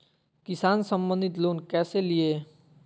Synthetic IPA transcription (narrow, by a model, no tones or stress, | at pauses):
kɪsaːnsə̃mbə̃nd̪ʱit̪loːnkɛːselie